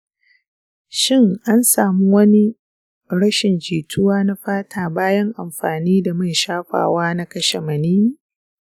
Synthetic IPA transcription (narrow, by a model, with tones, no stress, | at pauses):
ʃɪ˦˨ŋʔa˦nsaː˨mu˦wɐ˦ni˦ | ɽɐ˦ʃɪ˨nd͡ʒiː˨tʰʊ˦waː˦na˦ɸaː˦tʰaː˨baː˦jɐ˦ŋʔa˨mɸaː˨niː˦da˨mɐ˦jʃaː˦ɸa̰ː˨waː˦na˦kɐ˦ʃe˨mɐ˨niː˦